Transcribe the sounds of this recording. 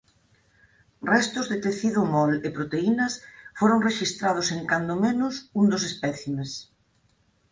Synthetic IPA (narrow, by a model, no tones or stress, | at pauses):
rɛst̪ʊzðɪt̪eθiðʊmɔlɪpɾot̪einɐsfoɾoŋreʃist̪ɾað̞ʊseŋkand̪ʊmenʊsund̪osespɛθimes